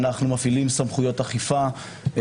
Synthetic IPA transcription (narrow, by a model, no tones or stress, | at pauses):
naχnumafilimsamχujo̞taχifa